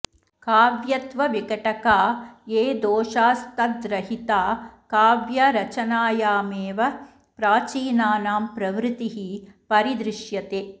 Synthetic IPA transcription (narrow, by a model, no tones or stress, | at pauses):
kaːʋjɐt̪ʋɐʋikɐʈɐkaːeːd̪oːʃaːst̪ɐd̪ɾɐɦit̪aːkaːʋjɐɾɐt͡ʃɐnaːjaːmeːʋɐ | pɾaːt͡ʃiːnaːnaːmpɾɐʋɾɪt̪iɦipɐɾid̪ɾɪʃjɐt̪eː